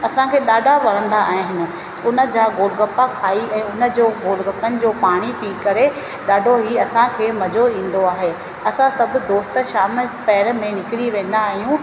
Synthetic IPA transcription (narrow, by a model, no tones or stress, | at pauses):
ɐsãkʰeːɗaːɖʱaʋɐɾə̃nd̪aaːɦɦɪnɪ̆ | ʊnə̆d͡ʑaːɡoːlɡəpakʰaːiʔɛ̃ːʊnə̆d͡ʑoːɡoːlɡəpənɪ̆d͡ʑoːpaːɽ̃ipiːkɐɾe | ɗaːɖʱoɦiɐsãkʰeːmɐd͡ʑoĩːn̆d̪oaːɦe | ɐsãsɐbʱʊ̆d̪oːst̪ə̆ʃaːmpɛːɾ̆mẽnɪkɪɾiʋẽːn̆d̪aːɦijũ